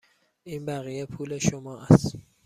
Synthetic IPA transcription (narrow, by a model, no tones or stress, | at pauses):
ʔiːnbæɣijepʰuːle̞ʃomɒːʔæst̪